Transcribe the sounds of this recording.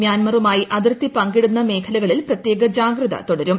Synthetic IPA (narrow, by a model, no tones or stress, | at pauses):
mjaːnmɐrumaːjiʔɐðirt̪ːipɐŋɡeɽunːɐme̞ːkʰɐlɐɣɐɭilprɐt̪je̞ːɡɐd͡ʑaːɡrɐðɐ̰t̪oɽɐɾum